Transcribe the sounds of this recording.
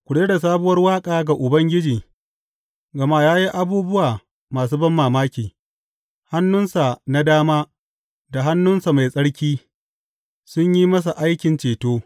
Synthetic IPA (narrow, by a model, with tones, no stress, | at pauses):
kʷʊ˨ɽeː˦da˨s̬aː˦bʊ˦wɐ˦rwaː˦kʼaː˨ɡa˨ʔʊ˨bɐ˦ŋɡʲɪ˦d͡ʒiː˨ | ɡɐ˨ma˦˨jaː˦ji˦ʔa˦buː˦bʊ˦waː˨ | maː˨s̬uː˦bɐ˦mːaː˨maː˦kʲiː˨ | ha˦nːʊ˦nsa˨na˦daː˦maː˦ | da˨ɦa˦nːʊ˦nsa˨ma˨jsʼɐ˦ɽkʲiː˦ | sʊ˦ɲji˦mɐ˦s̬a˨ʔa˦jkʲɪ˨nt͡ʃeː˨toː˦